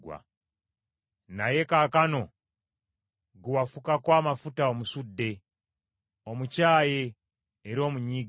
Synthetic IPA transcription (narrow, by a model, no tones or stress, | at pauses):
wa̰ | naje̞kakano̞ | ɡuwafukakwaːmafutaomusudːe̞ | o̞mucaːjeː | ɾio̞ːmuɲiːɡ